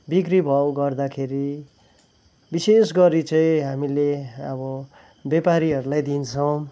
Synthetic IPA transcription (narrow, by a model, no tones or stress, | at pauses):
bikribʱʌwɡʌrd̪akʰeɾi | bisesɡʌɾit͡sʌĩɦamileʌbʌ | bjepaɾiɦʌɾulajd̪int͡sʰʌw̃